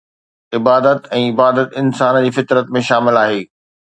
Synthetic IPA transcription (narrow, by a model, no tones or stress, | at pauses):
ɪbaːd̪ət̪ɛ̃ːɪbaːd̪ət̪ɪnsaːnd͡ʑiːfɪt̪ɾət̪mẽʃaːmɪlaːɦeː